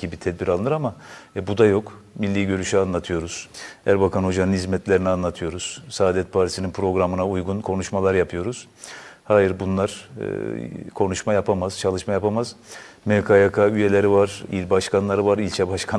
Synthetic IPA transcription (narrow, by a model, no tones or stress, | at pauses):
ibit̪ʰɛd̪biɾalˠɯnɯɾamabud̪ajo̞kmilʲːiːɟø̞ɾyʃyanlˠat̪ʰɯjo̞ɾuz̥hæɾbakʰanho̞d͡ʒanɯnhizmɛt̪lʲe̞ɾinianlˠat̪ʰɯjo̞ɾuz̥saːd̪ɛt̪̚pʰaɾt̪ʰisininpʰɾo̞ɡɾamɯnaujɡunkʰo̞nuʃmalˠaɾjapʰɯjo̞ɾuz̥ | haːjiɾbunlˠaɾ̥̰ | kʰo̞nuʃmajapʰamaz̥t͡ʃʰalˠɯʃmajapʰamaz̥ | mekʰajakʰayje̞lʲeɾivaɾ̥ḭlʲbaʃkanlˠaɾɯvaɾilʲt͡ʃʰɛbaʃkʰa